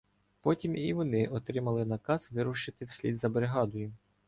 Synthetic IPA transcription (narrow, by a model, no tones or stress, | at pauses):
pɔtʲimiʋɔnɪʔɔt̪ɾɪmɐlˠɪnɐkɑzʋɪɾʊʃɪt̪ɪwsʲlʲid̪zɐbɾeɦɑd̪ɔjʊ